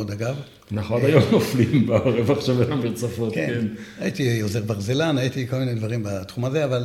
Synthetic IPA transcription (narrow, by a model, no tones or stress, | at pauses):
od̪aɡav | naχad̪ajomnoflimbaoʁevaχʃavenamiʁt͡safot̪kekenajit̪ioze̞ʁbaʁzelanajit̪iko̞lminedvaʁimbat̪χumaze̞aval